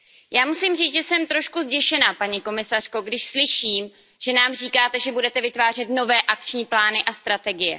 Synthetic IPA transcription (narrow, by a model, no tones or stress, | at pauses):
jaːmusimriːt͡sʒɛsɛmt̪ɾo̞ʃkuzɟɛʃɛnaːpaɲiko̞mɪsar̥ko̞ɡdɪʃslɪʃiːm | ʒ̥ɛnaːmr̝iːkaːt̪ɛʒɛbudɛt̪ɛvɪt̪vaːr̝ɛt̪no̞vɛːʔak̚t͡ʃɲiːplaːnɪʔast̪ɾat̪ɛɡɪjɛ̰